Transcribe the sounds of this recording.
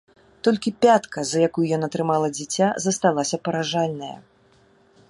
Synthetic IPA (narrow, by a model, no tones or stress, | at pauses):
t̪ɔlʲkʲipʲat̪kɐzɐjakujujɔnɐt̪ɾɨmalˠɐd͡zʲit͡sʲazɐst̪alˠasʲɐpɐɾaʐalʲnɐjɐ̰